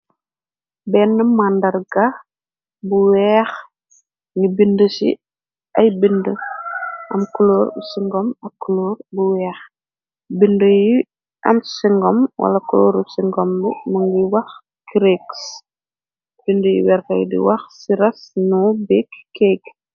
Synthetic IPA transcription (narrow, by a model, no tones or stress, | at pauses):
bɛːnːəmandɐrɡɐ | buwɛːx | ŋibindəsḭ | ʔɐjbində | ʔɐmkulɔːɾsiŋɡɔmɐkːuloːrbuwɛːx | bindəji | ʔɐ̰msiŋɡɔmwɐ̰lɐkulɔːɾusiŋɡɔmbumɐŋɡiwɐx | kiɾeks | b̥indəjḭwɛɾkɐjdḭwɐxsiɾɐsnubikːɛɡ